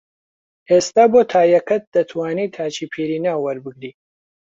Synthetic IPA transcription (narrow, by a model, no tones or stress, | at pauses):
eːst̪aːboːt̪ʰaːjɐkʰɐt̪̚d̪̥ɐt̪ʰwaːniːt̪ʰaːt͡ʃʰiːpʰiːɾiːnaːwwɐɾbɨɡɾiː